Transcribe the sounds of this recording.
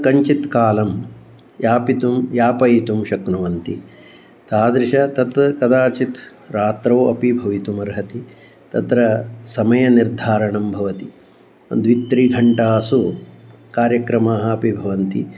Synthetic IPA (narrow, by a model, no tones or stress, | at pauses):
kɐɲt͡ʃit̪kaːlɐm | jaːpit̪umjaːpɐjit̪umʃɐknuʋɐnt̪i | t̪aːd̪ɾɪʃɐt̪ɐt̪kɐd̪aːt͡ʃit̪ | ɾaːt̪ɾɐːɐpibʱɐʋit̪umɐɾɦɐt̪i | t̪ɐt̪ɾɐsɐmɐjɐniɾd̪ʱaːɾɐɳɐmbʱɐʋɐt̪i | ɐ̰d̪ʋit̪ɾid̪ʱɐɳʈaːsu | kaːɾjɐkɾɐmaːɦɐɐpibʱɐʋɐnt̪i